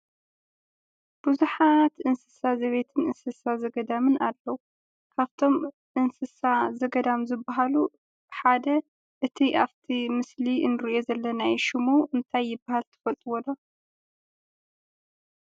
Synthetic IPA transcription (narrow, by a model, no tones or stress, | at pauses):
b̥uzuħat̪ʔɨnsɨsazɐβet̪ʰɨnɨnsɨsazɐɡɐd̪amɨnalːɐwu | kʰaβt̪ʰo̞m | ʔɨnsɨsazɐɡɐd̪amzɨbːaɦalu | ħad̪ɐ | ʔɨt̪ʰiʔaβt̪ʰimɨsliʔɨnɨɾiʔo̞zɐlːɐnajʃɪmuʔɨnt̪ʰajːɪbːahalt̪ʰɐ̥fɐlt̪ʼɨwɔd̪ɐ